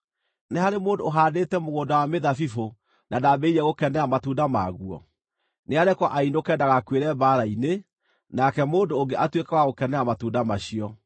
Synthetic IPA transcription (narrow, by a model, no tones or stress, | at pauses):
neɦaɾemoːndoːɦaːdetɛmoɣoːndawameðafifo | nadabɛiɾɛɣokɛnɛamatuːndama̰ɣuɔ̰ | neaɾɛkɔʔainokɛndaɣakweɾɛbaɾaine | nakɛmoːndoːŋɡeʔatwekawaɣokɛnɛamatuːndamaɕiɔ